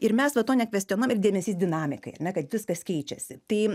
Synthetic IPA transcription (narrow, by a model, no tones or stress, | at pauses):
ɪɾmʲɛsʋɐt̪oːnʲɛkʋʲɛsʲt̪ʲionoːjmɪrdʲeːmʲɛsʲiːsd̪ʲɪnɑːmʲɪkɐɪɐrnʲɛkɐt̪ʋʲɪskɐskʲɛɪt͡ʃʲɛsʲɪt̪ɐɪ